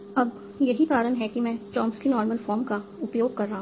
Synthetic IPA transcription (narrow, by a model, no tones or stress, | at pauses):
ɐb | jɐɦit̪aːɾənɦɛkimɛ̃ːʈɔːmskinɔːɾməlfɔːɾmkaʊpjoːɡ̚kɐɾːaɦɦ